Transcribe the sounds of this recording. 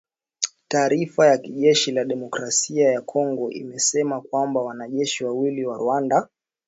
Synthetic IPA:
taːɾifajakiʄɛʃilaɗɛmɔkɾasiajakʰɔŋɡɔʔḭmɛsɛmakwambawanaʄɛʃiwawiliwaɾuanda

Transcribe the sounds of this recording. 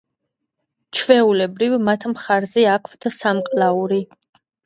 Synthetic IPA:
t͡ʃʰvɛulɛbɾivmat̪ʰmχaɾzɛakʰvd̪ʰsamqʼlauɾi

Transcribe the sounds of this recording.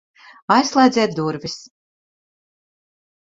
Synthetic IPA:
ajslˠɛjd̪zʲɛːt̪̚d̪uɾvis

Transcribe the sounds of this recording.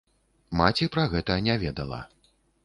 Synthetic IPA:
mat͡sʲipɾɐɣɛt̪ɐnʲavʲɛd̪ɐlˠɐ̰

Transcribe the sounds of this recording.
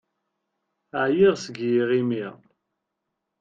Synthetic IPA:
ʕjiʁsəɡjiʁimi

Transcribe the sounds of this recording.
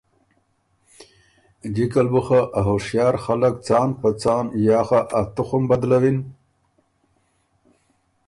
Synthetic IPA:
ɡikalbuxaʔaɦoʂjɑːɾxalak̚t͡sɑːnpat͡sɑːnjɑːxaʔat̪uxʊmbad̪lawin

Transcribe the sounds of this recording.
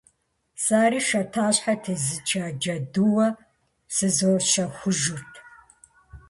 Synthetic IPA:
saːɾiːʃɐtʰaːɕħatʰɨzɨt͡ʃʰʼaːd͡ʒɐduwɐ | sɨzoːʃɐxʷʊʒurtʰ

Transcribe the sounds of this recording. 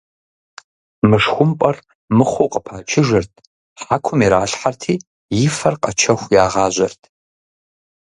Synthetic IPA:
mɨʂxʷʊmpʼɐr | mɨχʷʊqʼəpʰaːt͡ʃʰɪʒɐrtʰ | ħakʷʰʊmiɾaːɬħartʰiː | jɪfɐrqʼɐt͡ʃʰɐxʷjaːʁɑːʑʷɐrtʰ

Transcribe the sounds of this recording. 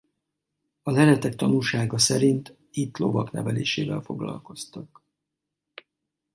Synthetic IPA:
ɒlɛɾɛt̪ɛk̚t̪ɒnuːʃaːɡɒsɛɾint̪ | it̪lovɒknɛvɛleːʃeːvɛlfo̞ɡlɒ̰lko̞st̪ɒk

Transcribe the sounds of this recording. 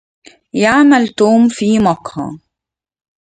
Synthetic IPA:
jaʕmalt̪uːmfiːmɑqhɑ̰

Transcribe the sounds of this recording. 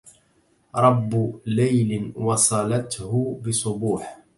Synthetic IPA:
ɾˤɑbːʊlajlɪwɑsˤɑlat̪hʊbɪsˤʊbuːħ

